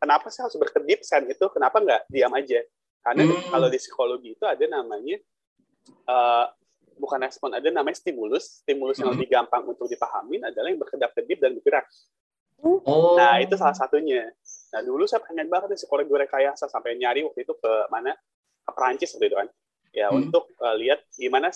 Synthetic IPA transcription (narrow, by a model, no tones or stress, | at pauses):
kənapasɪhaɾʊsbərkədɪp̚sɛnit̪ukənapaŋɡaʔdiamad͡ʒa | karnakalodisi̥koloɡiːt̪uadanamaɲa | ʔəː | bukanrɛspɔnadanamaɲast̪imulʊsːt̪imulʊsjaŋləbihɡampaŋṵnt̪ʊk̚dipaɦa̰mɪnadalajaŋbərkədap̚kədɪp̚danbipiɾak | nait̪usalahsat̪uɲanahdulusapaŋan̚baŋət̪̚jasə̥kolaɡuɾakajasasampajɲaɾiwak̚t̪uit̪ukəmana | kəpɾaɲt͡ʃɪsːəpərt̪it̪ukan | ja̰unt̪ʊk̚əliat̪̚ɡimana